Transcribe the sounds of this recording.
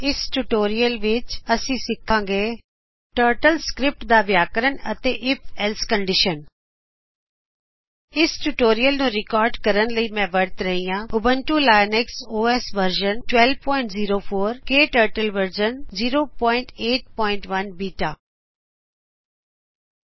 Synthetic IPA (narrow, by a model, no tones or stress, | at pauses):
ɪsʈuʈoːɾijəlʋɪt͡ʃɐsĩːsɪkʰãːŋɡeː | ʈəːɾʈəlskɾɪp̚ʈd̪aːʋjaːkəɾənɐt̪eʔɪpʰɛlskə̃ɳɖɪʃən | ɪsʈuʈoːɾijəlnũːɾɪkɔːɾɖkɐɾənləimɛ̃ːʋɐɽt̪ɾɐɦiːjãʊbʱə̃nʈulaːjneksoːeːsʋəɾʒənʈwɛlpɔːɪ̃ɳʈziːɾofʰoːɾkeːʈəːɾʈəlʋəɾd͡ʒənziːɾoːpɔ̃ːɪ̃ɳʈeːʈ̚pɔːɪ̃ɳʈʋɐnbiːʈaː